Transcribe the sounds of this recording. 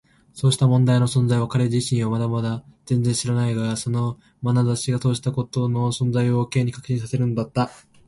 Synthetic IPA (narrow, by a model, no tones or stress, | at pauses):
so̞ːɕi̥t̪amõ̞nd̪aino̞sõ̞nd͡zaiβakaɾe̞ʑiɕĩɰ̃omad̪amad̪az̥ẽ̞nd͡zẽ̞ɕiɾanaiɡaso̞no̞ | manazaɕiɡaso̞ːɕi̥t̪ako̞t̪o̞no̞sõ̞nd͡zaio̞ːke̞ːɲ̟ːikḁkɯ̟ɕĩsase̞ɾɯ̟nod̪at̪ːa